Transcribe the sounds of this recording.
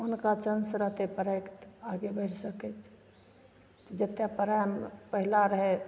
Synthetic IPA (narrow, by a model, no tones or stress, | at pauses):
ʊnkat͡ʃənsɾəɦt̪epəɾəkt̪aɡebʱəɪʈsəkɛt͡ʃʰ | t̪ɔd͡ʒət̪ːjãpəɾajmpəɦilaɾəɦe